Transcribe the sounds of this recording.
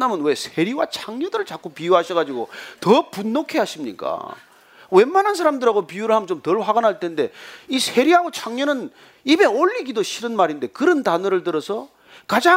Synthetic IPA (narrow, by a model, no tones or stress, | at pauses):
amɯnwe̞sʰe̞ɾiwat͡ɕʰaŋɲʌdɯɾɯɭt͡ɕak͈ʰupijuɦaɕʰʌɣad͡ʑiɡotʌpunːokʰe̞ɦaɕʰimɲḭk͈a̰ | we̞mːanɦans̬ʰaɾamdɯɾaɡopijuɾɯɭɦamnt͡ɕomtʌɭɸwaɡanɦaɭtʰe̞nde̞isʰe̞ɾiɦaɡot͡ɕʰaŋɲʌnɯn | ibe̞oʎːiɡidoɕʰiɾɯnmaɾinde̞kɯɾʌntanɯɾɯɭtɯɾʌsʰʌ | kad͡ʑa